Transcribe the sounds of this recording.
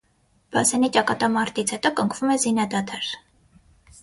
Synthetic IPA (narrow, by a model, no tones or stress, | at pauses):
b̥ɑsɛnit͡ʃɑkɑt̪ɑmɑɾt̪it͡sʰhɛt̪ɔkəŋkʰvumɛzinɑd̪ɑt̪ʰɑɾ